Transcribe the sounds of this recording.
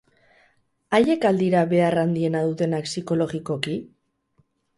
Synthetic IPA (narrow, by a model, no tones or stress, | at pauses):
aje̞kald̪iɾaβe̞arand̪ie̞naðut̪e̞naksiko̞lo̞ɣikoki